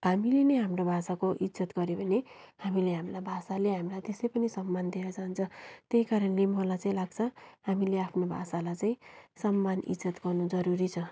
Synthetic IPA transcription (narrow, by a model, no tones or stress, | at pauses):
ɦamilenʌjɦamrobʱasakoʔid͡zʌt̪ɡʌɾebʱʌne | hamileɦamlabʱasaleɦamilajt̪esʌjpʌnisʌmːand̪ieɾʌd͡zant͡sʰʌt̪eikaɾʌnlemʌlat͡saĩlaɡ̚t͡sʰʌhamileapʰnobʱa̰salajt͡saĩsʌmːanḭd͡zʌt̪ɡʌrnud͡zʌɾuɾit͡sʰʌ